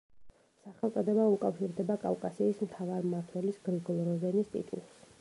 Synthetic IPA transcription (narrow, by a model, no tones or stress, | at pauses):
saχɛlˠt̪sʼɔd̪ɛbaukʼafʃiɾd̪ɛbakʼavkʼasiːsmt̪ʰavaɾmaɾt̪ʰwɛlisɡ̥ɾiɡɔlˠɾɔzɛnist̪ʼḭt̪ʼṵlˠs